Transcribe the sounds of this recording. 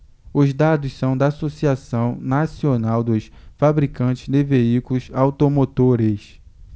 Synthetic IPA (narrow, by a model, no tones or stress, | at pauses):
ʊzd̪ad̪ʊssɐ̃w̃d̪aːsosiasɐ̃w̃nasionawd̪ʊsfabɾikɐ̃nt͡ʃɪzd̪ɪveikulʊzawt̪omot̪oɾes